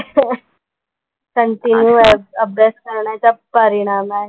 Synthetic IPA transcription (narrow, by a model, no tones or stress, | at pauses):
kəɳʈinjuəbjeskəɾɳjat͡ɕapəɾiɽ̃amaɦe